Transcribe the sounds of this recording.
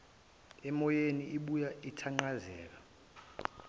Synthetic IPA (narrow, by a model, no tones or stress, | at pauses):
ɛmɔjeniiɓujaitʰaŋ͡ǃazɛ̰ːk̬a